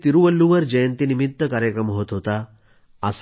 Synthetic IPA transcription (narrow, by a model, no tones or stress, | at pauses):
t̪iɾuʋəlːuʋəɾd͡ʑəjənt̪inimit̪ːəkaɾjəkɾəmɦot̪ɦot̪a | əs